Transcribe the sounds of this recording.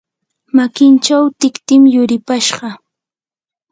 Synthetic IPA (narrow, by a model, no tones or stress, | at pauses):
makɪnt͡ʃawt̪ɪkt̪ɪmjʊɾɪpaʃɢɑ